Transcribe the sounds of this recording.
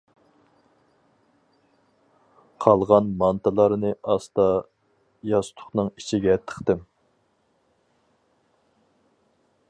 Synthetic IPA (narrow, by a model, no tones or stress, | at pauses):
qʰɑlˠʁɑnmɑnt̪ɨlˠɑɾnɨʔɑst̪ɑ | jɑst̪ʰʊ̥χnɨŋit͡ʃʰiɡʲɛt̪ʰːə̥χt̪ɪm